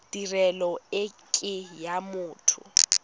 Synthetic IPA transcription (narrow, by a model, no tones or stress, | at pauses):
d̥irɛlɔɪkʼɪjamʊːtʰʊ̰